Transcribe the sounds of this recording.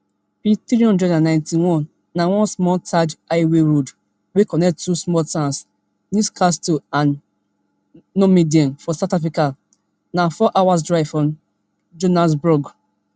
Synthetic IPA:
pitɾiɔ̃ndɹɛdãnãɪ̃ntiwɔ̃n | nawɔ̃nsmɔtad͡ʒaɪweɹod | wekɔnɛktːusmɔltãns | nuskastoãn | omidiɔ̃nfɔsaʊtafɹika | nafɔʔawasdɹaɪvfɹɔ̃ | d͡ʒonas̬bɹɔɡ

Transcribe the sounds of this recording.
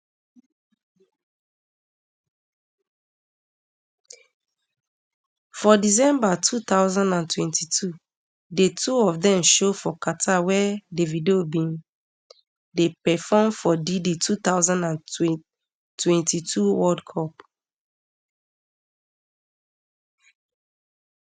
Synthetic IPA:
fɔdis̬ɛ̃mbatʰut̪aʊzãndãntwɛ̃ntitʰu | detʰuɔfdɛ̃mʃofɔkatʰawɛdevideobĩn | depɛfɔmfɔdiditʰut̪aʊzãndãn | twɛ̃ntitʰuwɔdkʰɔp

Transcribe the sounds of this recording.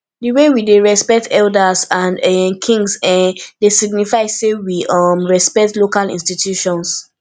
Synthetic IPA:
diwewideɹɛspɛk̚tʰɛldazãnɛmkʰĩŋɡsɛ̃desiɡ̚nifaɪsːewiʌmɹɛspɛk̚tlokalḭ̃nstitʰjuʃɔ̃ns

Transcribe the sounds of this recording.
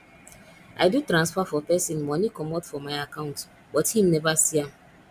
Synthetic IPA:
ʔa̰ɪdutɾãnsfafɔpɛsĩnmɔ̃nikɔmɔtfɔmaɪakãʊ̃nt | bɔthĩmnɛvasia

